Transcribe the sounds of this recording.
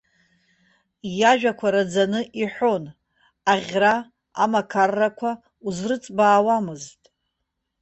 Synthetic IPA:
jaʒᶣakʷʰaɾad͡zanɨʔiħʷᶣo̞n | aʁʲra | a̰makʰarːakʷʰa | uzrɨt͡sʼbaːwamɨztʼ

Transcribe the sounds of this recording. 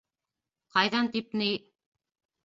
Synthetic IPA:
qɑjðɑnt̪ip̚nij

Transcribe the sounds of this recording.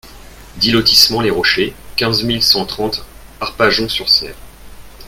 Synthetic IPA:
d̪ilɔt̪ismɑ̃leʁɔʃekʲɛ̃zmilsɑ̃t̪χɑ̃t̪ | aʁpaʒɔ̃syʁsɛ̰ːʁ

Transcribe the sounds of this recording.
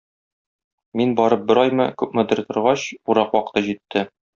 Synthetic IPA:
minbɒɾɤp̚bɘ̆ɾɒjmɤ̰kʉpmɤ̆d̪ɘ̆ɾt̪ŏɾʁɑɕuɾɑqwɒqɤ̥̆t̪ɤʑit̪ʰːɘ

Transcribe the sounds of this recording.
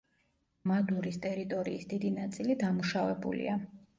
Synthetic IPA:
mad̪uɾist̪ʼɛɾit̪ʼɔɾiːsd̪id̪inat̪sʼilid̪amuʃavɛbṵlḭa

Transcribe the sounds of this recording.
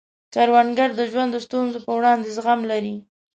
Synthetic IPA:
t͡ʃaɾwanɡaɾd̪əʒwand̪əst̪unzopəwɽɑnd̪ezɣamlaɾi

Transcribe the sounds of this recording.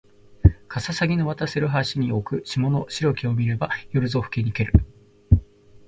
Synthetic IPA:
kʰasasaɡʲino̞βat̪asɨɾɯ̟ɦaɕiɲ̟io̞kɯ̟ɕimo̞no̞ɕiɾo̞kʲio̞mʲiɾe̞bajo̞ɾɯ̟zo̞ɸɯ̟̥ke̞ɲ̟ike̞ɾɯ̟

